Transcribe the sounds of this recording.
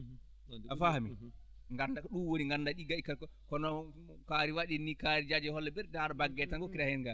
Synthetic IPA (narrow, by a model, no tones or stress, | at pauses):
afahami | ŋɡandaɗunwoniŋɡanːdaɗiɡaikːakɔkɔnɔ | kaɾiwaɗinikaɾid͡ʒad͡ʒɛhɔlːɛbɛɾdaɾabaɡːɛtanɡɔkiɾahɛnɡa